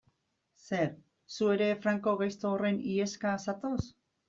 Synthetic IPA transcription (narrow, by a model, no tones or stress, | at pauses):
se̞ɾ | sue̞ɾe̞fɾaŋko̞ɣajst̪oːre̞nie̞skasat̪o̞s